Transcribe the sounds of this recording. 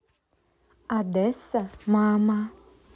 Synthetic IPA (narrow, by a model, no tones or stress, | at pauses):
ad̪ɛsamama